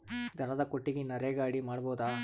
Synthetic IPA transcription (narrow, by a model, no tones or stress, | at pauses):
d͡ʒɐnɐd̪ɐkoʈːiɡenɐɾeɡaːɽimaːɽboːd̪aː